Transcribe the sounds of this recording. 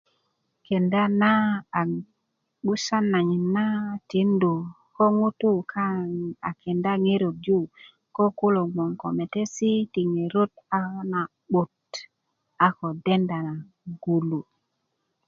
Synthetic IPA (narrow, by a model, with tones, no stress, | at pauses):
ke˨nda˦na˦a˨ | ɓu˦sa˦nːa˨ɲi˨nːa˦ti˨˦ndu˨ | ko˦ŋu˦tu˦kʰa˦a˨kʰe˨nda˦ŋe˦ɾo˨k̚d͡ʒu˦ | ko˦ku˦lo˨mo˨ŋko̰˨me˨te˦si˦ti˨ŋe˨ɾo˦ta˦na˨ | ɓu˨t | a˨ko˨de˦nda˨na˨ | ɡu˨lu˨